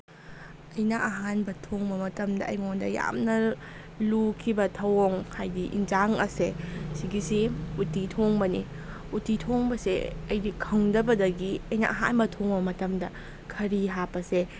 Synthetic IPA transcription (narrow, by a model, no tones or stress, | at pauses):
ɐjnɐʔɐɦanbɐtʰoŋbɐmɐtɐmdɐɐjmondɐja̰mnɐ | lukʰibɐtʰɐwoŋhajdiʔḭnd͡ʒaŋɐsesiɡisiutːitʰoŋbɐni | utːitʰoŋbɐsḛɐjdikʰɐŋdɐbɐdɐɡiɐjnɐ̰ʔɐɦa̰nbɐtʰoŋbɐmɐtɐmdɐ | kʰɐɾiɦapːɐse